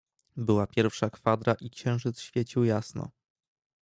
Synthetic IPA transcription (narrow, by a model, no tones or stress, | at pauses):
bɘwapʲjɛɾfʂakfad̪ɾaʔikɕɛ̃w̃ʐɘt̪sɕfʲjet͡ɕiwjasnɔ̰